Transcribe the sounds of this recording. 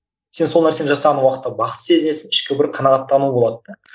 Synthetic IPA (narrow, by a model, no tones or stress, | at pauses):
se̞nso̞lˠnæɾse̞nʒɑsɑʁɑnuɑqət̪ːɑbɑqə̥t̪se̞zɪne̞sɪnɪʃkʲɪbɪɾqʰɑnɑʁɑt̪ːɑnubo̞lˠɑt̪ːə